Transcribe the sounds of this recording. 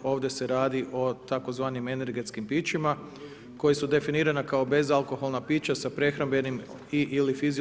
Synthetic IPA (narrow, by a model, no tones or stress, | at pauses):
o̞ːʋd̪je̞se̞ɾaːd̪iʔo̞t̪ako̞zʋaːnime̞ne̞ɾɡe̞t̪skimpiːt͡ʃima | ko̞jesud̪e̞finiːɾanakao̞be̞zalko̞xo̞lˠnapiːt͡ɕasapɾe̞xɾanmbe̞nim | iʔilifizi